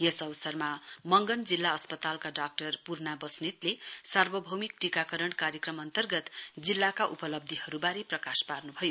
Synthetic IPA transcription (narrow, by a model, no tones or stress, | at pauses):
jesʌwsʌrmamʌŋɡʌnd͡zilːaʌspʌt̪alkaɖak̚ʈʌrpurnabʌsnit̪lesarbʌbʱʌmikʈikakʌɾʌɳ̃kaɾjʌkrʌmʌnt̪ʌrɡʌt̪d͡zilːakaʔupʌlʌb̚d̪ʱihʌɾubaɾeprʌkasparnubʱʌjo